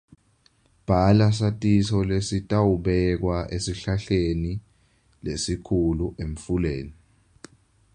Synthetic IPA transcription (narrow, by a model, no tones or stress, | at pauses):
b̥ʱalas̬atʼisɔlesitʼawuɓɛk̬waʔesiɬaɬeni | lesikʰuluʔeɱfulḛːni